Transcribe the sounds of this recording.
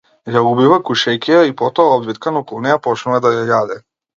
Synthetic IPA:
jaubivakuʃɛkʲiaipɔt̪ɔaɔb̪vit̪̚kanɔkɔlˠnɛjapɔt͡ʃnuvad̪ajajad̪ɛ

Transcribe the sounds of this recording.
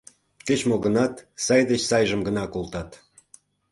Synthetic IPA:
ket͡ɕmoɣə̆nɑt̪sɑjd̪et͡ɕsɑjʒəmɡə̆nɑkolt̪ɑt̪

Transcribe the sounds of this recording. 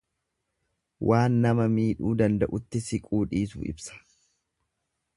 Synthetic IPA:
wʔaːnːɐmɐmiːᶑuːd̪ɐnd̪ɐʔʊt̪ːɪsɪkʼuːᶑiːsṵːʔɪ̰bsɐ̥

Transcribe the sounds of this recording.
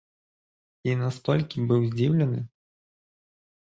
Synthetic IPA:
inast̪ɔlʲkʲibɨwzʲd͡zʲiwlʲɐnɨ

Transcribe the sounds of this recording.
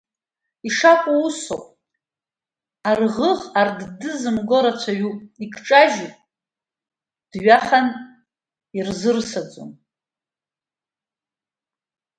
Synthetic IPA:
iʂakʷʼuusowpʼ | arʁəʁarddɨzɨmɡo̞ɾat͡ɕʷʰaɥupʼikʰʈ͡ʂʼaʒupʼ | d̥ɥaχan | irzɨrsad͡zʼo̰n

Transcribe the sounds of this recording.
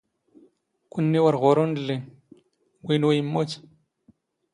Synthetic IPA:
kunːiwaɾɣoɾonde | winwajimːot͡ʃ

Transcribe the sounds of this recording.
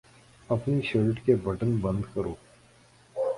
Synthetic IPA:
ɐpniʃeɾʈkebɐʈənbɐ̃nd̪kɐɾoː

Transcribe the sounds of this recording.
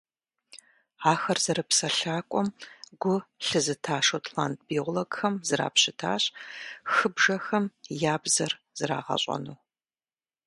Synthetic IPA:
aːxɐrzɐɾɨpsɐɬaːkʷʼɔmɡ̥ʷʊɬɨzɨtʰaːʂotʰlant̚ʰbioʁʷloɡxɐmzɨɾa̰ːpɕɪtʰa̰ːɕʼxɨbʒɐxɐmjaːbzɐr | z̥ɨra̰ːʁɐ̰ɕʼɐ̰nuː

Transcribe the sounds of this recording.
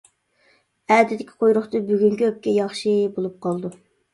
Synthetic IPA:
æːd̪ɪd̪ɪkʲʰi̥qʰojɾʊχt̪ɨbyɡʲyŋkʲyøp̚kʲɛjɑχʃɨbolˠup̚qʰɑlˠd̪u

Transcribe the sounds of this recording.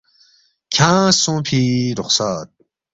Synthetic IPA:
kʰãːsũpʰiɾʊχsaːt̪̚

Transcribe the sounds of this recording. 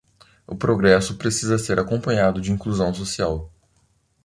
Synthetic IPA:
ʊpɾoɡɾɛsʊpɾesizɐseɾʔakõpɐ̃ɲad̪ʊd͡ʒɪĩŋkluzɐ̃w̃sosiaw

